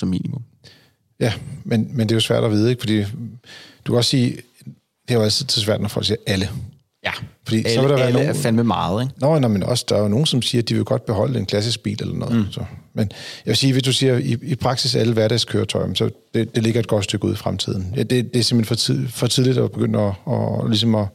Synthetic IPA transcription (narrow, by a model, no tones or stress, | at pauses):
sɒmḭːnimɔm | jæmenmendeæjosʋæɐ̰d̥ɒʋiːð̞ˠeɡ̥fɒ̽d̥ḭː | d̥u̥kʰæɒ̽ssiː | d̥e̝æjæl̰t͡sʰið̩ˠsɒsʋæɐ̰d̥nɒfɒlɡ̥siːɐʔælə | fɒ̽d̥ḭːsɒʋe̝lɾ̥ɑʋæɐnofælmemɑ̈ːð̩ˠeɡ̥nɒnɑmenɒ̽sd̥ɑ̈æno̝ːn̩sɒ̽msiːɐd̥iʋe̝ɡ̥ɒ̽d̥̚b̥e̝ɦɒ̽l̰əe̝nkʰlæs̬isɡ̥̚b̥ḭːlelʔɐnɔ̽ːð̩̰ˠsɒ̽menjæʋe̝siːʋe̝sd̥usiːɐiipʰʁɑ̈ɡ̥sisæləʋæɐɾɛ̰ɪskʰøːɐt͡sʰɒ̽ɪmsɒ̽d̥e̝d̥e̝le̝ɡ̥ɐe̝d̥̚ɡ̥ɒ̽d̥sd̥øɡ̥əṵð̰ˠifʁamt͡sʰið̰ˠn̩jæd̥e̝d̥e̝æɐse̝m̥henfɒt͡sʰfɒ̽t͡sʰið̞ˠlid̥ɒb̥e̝ɡ̥øn̰d̥ɒɒlis̬ɒ̽mɒ̽